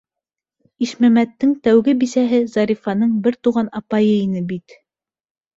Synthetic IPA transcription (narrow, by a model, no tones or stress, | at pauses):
iʃmæmæt̪ːɘŋt̪æwɡɘbisæɦɘzɑɾifɑnɤɴbɘɾt̪uʁɑnɑpɑjɤinɘbit̪